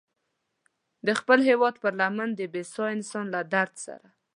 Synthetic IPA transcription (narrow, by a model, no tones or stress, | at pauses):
d̪əxpəlɦewɑd̪pəɾlamand̪əbesɑɪnsɑnlad̪aɾd̪sa̰ɾa